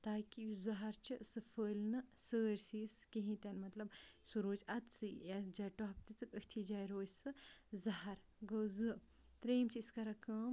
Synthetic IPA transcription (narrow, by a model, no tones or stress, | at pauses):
t̪aːkijuzɐɦɐɾt͡ʃʰisɨfəːlʲnɨsəːɾʲsiːskiɦĩt̪ʲanmɐt̪lɐbsuɾoːt͡ʃɐt̪sɨjad͡ʒaːjʈɔɦp̚t̪it͡sɨkəhʲt̪ʰid͡ʒaːjɾoːd͡ʒsɨzɐɦɐɾ | ɡɐwzɨ | t̪ɾeːmt͡ʃiiskɐɾakɐːm